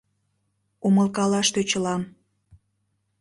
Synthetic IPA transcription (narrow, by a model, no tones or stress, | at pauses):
uməlkɑlɑʃt̪øt͡ɕəlɑm